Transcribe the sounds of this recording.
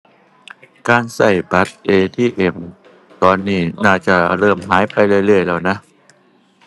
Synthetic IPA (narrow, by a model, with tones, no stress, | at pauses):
kaː˧nsa˨˩jba˦˥t̪̚ʔeː˧t̪ʰiː˥˩ʔe˨˩m | t̪ɔː˧nːiː˥˩naː˥˩t͡ɕa˧˩ɾɤː˥˩mɦaː˩˦jpa˧jlɯ˥˩jlɯ˥˩əjlɛː˧wna˦˥ʔ